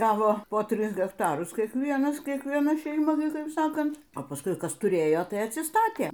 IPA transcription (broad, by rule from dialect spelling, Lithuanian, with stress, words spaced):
ˈɡɑːʋoː poː ˈtʲrʲɪs ɣʲɛkˈtɑːrʊs kʲiɛkˈʋʲiɛnɐs kʲiɛkʋʲiɛˈnɐ ʃʲɛɪˈmɐ ˈnʊ ˈkɐɪp ˈsɑːkɐnt oː pɐˈskʊɪ ˈkɐs tʊˈrʲeːjoː ˈtɐɪ ɐtʲsʲɪˈstɑːtʲeː